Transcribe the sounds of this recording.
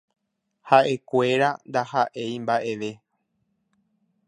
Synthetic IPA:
haʔe̞kʷe̞ɾand̪ahaʔe̞jmbaʔe̞ʋe̞

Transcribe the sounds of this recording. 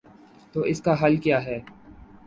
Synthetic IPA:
t̪oːɪskaɦɐlkjaːɦɛː

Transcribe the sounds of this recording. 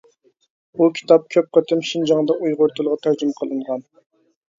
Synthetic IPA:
bukʲʰi̥t̪ɑp̚kʲʰøp̚qət̪ʰɪmʃind͡ʒɑŋd̪ɑʔujʁʊɾt̪ʰulˠʁɑt̪ʰæɾd͡ʒymqʰəlˠɨɴʁɑn

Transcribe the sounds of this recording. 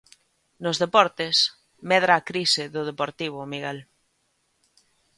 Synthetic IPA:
nozðepɔɾt̪es | mɛð̞ɾaːkɾiseðʊð̞epoɾt̪iβ̞ʊmiɣel

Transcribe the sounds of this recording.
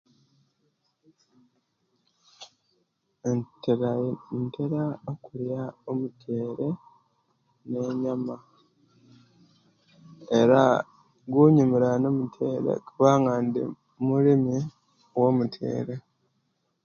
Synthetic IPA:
nteɾaokuɾjaomutʰeːɾe̞ | ne̞ɲama | eɾa | ɡwuɲumiɾano̞mutʰeːɾḛkuβaːŋaːndḭ | muɾimi | womutʰḛːɾe̞

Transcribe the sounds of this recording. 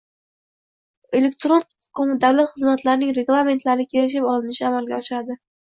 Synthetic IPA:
e̞lek̚ʲt̪ɾon | ʊ̥kʊmd̪awlat̪χɨzmat̪laɾɪnɪŋɾe̞ɡlˠame̞nt̪laɾnɪkʲʰe̞lɪʃ̬ɪpɒlɪnɪʃɪamalɡʲaɒʃɪɾad̪ɪ

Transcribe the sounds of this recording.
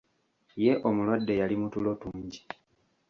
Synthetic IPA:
je̞ʔomulwadːe̞jalimutulo̞tuːɲɟi̥

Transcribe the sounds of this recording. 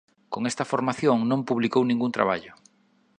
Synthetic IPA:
koŋɛst̪ɐfoɾmaθjoŋnõmpuβlikownĩŋɡunt̪ɾa̰βaʎʊ

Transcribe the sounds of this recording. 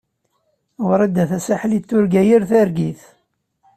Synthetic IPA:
wɾˤæd̪ːæθæsaħlit̪ːʊɾɡæjiɾθæɾɡiθ

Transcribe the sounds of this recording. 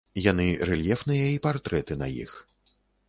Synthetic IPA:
janɨɾɛlʲjɛfnɨjɐipart̪ɾɛt̪ɨnɐ̰jḭx

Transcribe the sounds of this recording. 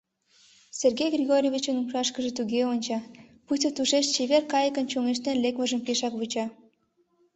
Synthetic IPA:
serɣejɡrʲiɣoɾʲovʲit͡ɕənumʃɑʃkə̆ʒĕt̪uɣeonʲt͡ɕɑput̪ʲot̪uʃeʃt͡ɕeβerkɑjəkə̆nt͡ɕoŋeʃ̬t̪enlekmə̆ʒə̆mpeʃɑkβut͡ɕɑ

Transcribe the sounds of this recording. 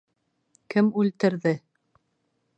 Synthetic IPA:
kɘmʉlt̪ɘ̆ɾðɘ

